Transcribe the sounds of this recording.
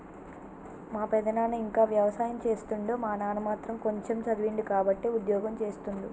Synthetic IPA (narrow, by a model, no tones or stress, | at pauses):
maːpɛd̪ɐnaːnɐiŋkaːʋjɐʋɐsaːjɐmt͡ʃe̞ːst̪uɳɖoːmaːnaːnɐmaːt̪ɾɐmko̞ɲt͡ʃemt͡ʃɐd̪ʋiɳɖikaːbɐʈːeːud̪jɔːɡɐmt͡ʃe̞ːst̪und̪i